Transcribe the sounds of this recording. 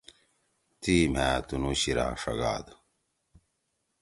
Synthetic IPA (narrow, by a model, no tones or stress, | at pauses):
t̪iːm̤æːt̪unuɕiɾa̰ːʂɐ̰ɡa̰ːd̪